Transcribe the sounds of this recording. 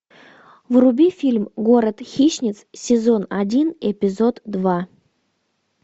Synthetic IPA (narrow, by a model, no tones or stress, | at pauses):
vrubʲifʲilʲmɡoɾət̪xʲiɕnʲɪt̪ssʲɪzonadʲinepʲɪzod̪d̪va